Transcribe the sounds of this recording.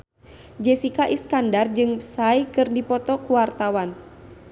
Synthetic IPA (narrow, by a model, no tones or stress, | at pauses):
d͡ʒɛsikaʔiskandard͡ʒɨŋsajkɨrdipɔt̪ɔkuwart̪awan